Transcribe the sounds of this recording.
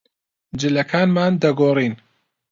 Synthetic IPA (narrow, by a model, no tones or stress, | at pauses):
d͡ʒɨlɐkʰaːnmaːnd̪ɐɡoːriːn